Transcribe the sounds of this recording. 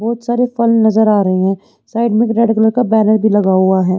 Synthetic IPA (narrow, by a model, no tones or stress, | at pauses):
bɔːt̪saːɾefɐlnɐzəɾaːɾɐɦeɦɛ̃ː | saːɪɖmɪ̃kɾɛːɖɪkləɾkabɛːnəɾbʱilɐɡaɦuaɦɛː